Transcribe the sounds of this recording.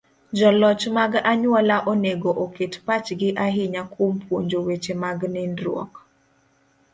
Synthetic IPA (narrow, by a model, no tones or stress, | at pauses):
d͡ʒɔlɔt͡ʃmaɡaɲwɔlaʔoneɡoʔoketpat͡ʃɡɪʔaɦɪɲakompwoɲd͡ʒowet͡ʃemaɡnɪndɾwɔ̰k